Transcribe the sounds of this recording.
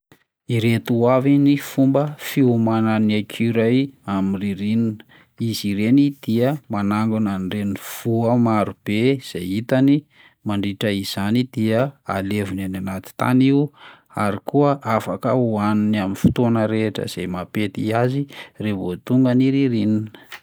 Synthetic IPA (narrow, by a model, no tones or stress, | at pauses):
iɾet̪uavinifumbəfiumananakʰiɾajamiriɾinin | iziɾenid̪̥iəmanaŋɡunanreniv̥uəmaɾub̥ez̥ḛjit̪ani | maɳɖ͡ʐiʈ͡ʂəiz̥anid̪̥iəa̰levinananat̪i̥t̪a̰niu | aɾikuəʔafakəuaniniaminfi̥t̪onəɾeʈ͡ʂə̰z̥ejmapet̪iazirevot̪uŋɡəniɾiɾininə̥